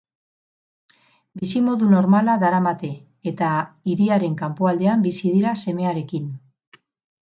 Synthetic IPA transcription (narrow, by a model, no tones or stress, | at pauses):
bisimo̞ðuno̞ɾmalaðaɾamat̪e̞ː | t̪aiɾiaɾe̞ŋkampoald̪eambisið̞iɾase̞me̞aɾe̞kin